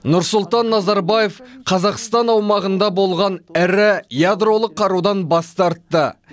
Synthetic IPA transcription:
nʊɾsʊlˠt̪ɑnːɑzɑɾbɑje̞fqʰɑzɑqst̪ɑnɑwmɑʁənd̪ɑbo̞lˠʁɑnɪɾɪjad̪ro̞lˠəqʰːɑɾud̪ɑnbɑst̪ɑɾt̪ːə

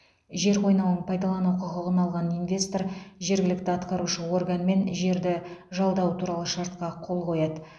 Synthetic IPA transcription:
ʒe̞ɾqʰo̞jnɑwnəɴpʰɑjd̪ɑlˠɑnuqʰʊqʊʁənɑlˠʁɑninvʲe̞st̪o̞ɾʒe̞ɾɡʲɪlɪkt̪ɪɑt̪qɑɾuʃəwo̞rɡanme̞nʒe̞ɾd̪ɪʒɑlˠd̪ɑwt̪ʰuɾɑlˠəʃɑɾt̪̚qɑqʰo̞lˠqo̞jɑd̪ə

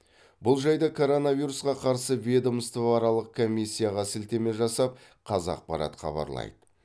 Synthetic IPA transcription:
bʊlˠʒɑjd̪ɑkʰo̞ɾo̞naviɾusqɑqʰɑɾsəved̪oməst̪əvɑɾɑlˠəq̚kʰo̞mʲːisʲːijaʁɑsɪlt̪e̞me̞ʒɑsɑp̚ | qʰɑzɑ̰q̚pɑɾɑ̰t̪χɑ̰bɑ̰ɾlˠɑ̰jd̪ə

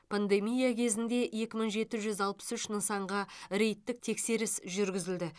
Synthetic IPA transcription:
pʰand̪e̞mijakʲʰe̞zɪnd̪e̞je̞kʲɪmɪɴʒe̞t̪ɪʒʏzɑlˠpə̥sʏʃnəɴsɑɴʁɑɾe̞jt̪ːɪk̚t̪ʰe̞kse̞ɾɪsʒʏɾɡʲɪzɪld̪ɪ

